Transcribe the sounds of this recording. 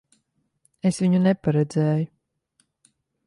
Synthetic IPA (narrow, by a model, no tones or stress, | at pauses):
esviɲunɛpaɾɛd̪zɛːju